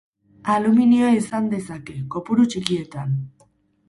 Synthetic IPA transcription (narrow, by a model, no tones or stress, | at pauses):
aluminioisand̪e̞sake̞ko̞puɾut͡ʃikie̞t̪an